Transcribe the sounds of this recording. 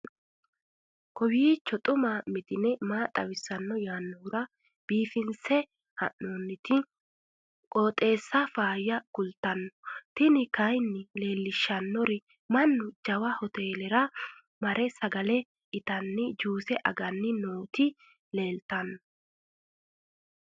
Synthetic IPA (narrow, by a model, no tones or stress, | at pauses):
kɔwiːt͡ʃːɔt̪ʼʊmamɪt̪ɪnɛmaːt̪ʼɐwɪsːɐnːɔjaːnːɔʊɾɐ | b̥iːfɪnsɛ | hɐ̰ʔːoːnːɪt̪ɪ | kʼoːt̪ʼe̞ːsːɐfaːjːɐkʊlt̪ɐnːɔ̥t̪ɪnɪkɐjnːɪle̞ːlːɪʃːɐnːɔɾɪ | mɐnːʊd͡ʒɐwɐhɔt̪e̞ːlɛɾɐ | mɐɾʔɛsɐɡɐlɛ | ɪt̪ɐnːɪd͡ʒuːsɛʔɐ̰ɡɐnːɪnoːt̪ɪ | le̞ːlt̪ɐnːɔ